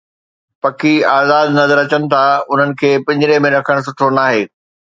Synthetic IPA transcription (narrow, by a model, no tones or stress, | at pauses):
pɐkiaːzaːd̪nɐzəɾɐt͡ɕəñɪ̆t̪ʰaʊn̤ənɪ̆kʰeːpɐ̃ɲd͡ʑɪɾemẽɾɐkʰəɽ̃s̬ʊʈʰonaːɦeː